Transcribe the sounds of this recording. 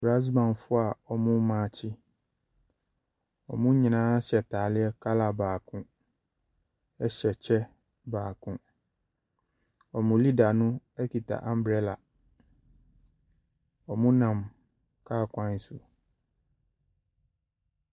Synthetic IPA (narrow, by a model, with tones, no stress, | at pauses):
bɾa˦s̬bã˨nfʊ˦a˨ɔ˨mʊ̃˦mã˨t͡ɕʰɪ˦ | ɔ̰˨mũ˦ɲĩ˨nãː˦ɕɛ˨tʰa˨lɪ˦ɛ˦kʰa˦la˨baː˨kʰʊ̃˦ | ɛ˦ɕɛ˨t͡ɕʰɛ˦ | baː˨kʰʊ̃˦ | ɔ˨mʊ̃˨li˦da˨nʊ̃˦ɛ˦ki˨tʰa̰˨ʔã˨m˦bɾɛ˦la˨ | ɔ˨mũ˦nã˨m | kʰaː˦˨kʷʰã˦n̩˦su˨